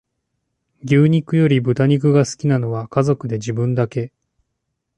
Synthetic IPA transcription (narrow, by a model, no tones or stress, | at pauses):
ɡʲɨːɲ̟ikɯ̟jo̞ɾʲibɯ̟t̪aɲ̟ik̬ɯ̟ɡasɨ̥kʲinano̞βakazo̞kɯ̟d̪e̞d͡ʑibɯ̟̃nd̪ake̞